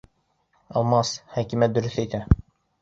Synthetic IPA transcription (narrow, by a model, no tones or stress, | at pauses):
ɒlˠmɑshækimæt̪̚d̪ɵ̆ɾɵθæjt̪æ